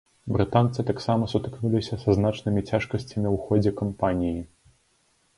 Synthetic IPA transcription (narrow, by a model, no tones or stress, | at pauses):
bɾɨt̪ant̪sɨt̪aksamɐsut̪ɨ̥knulʲisʲɐsɐznat͡ʂnɨmʲit͡sʲaʂkɐsʲt͡sʲɐmʲiwxɔd͡zʲɛkɐmpanʲiji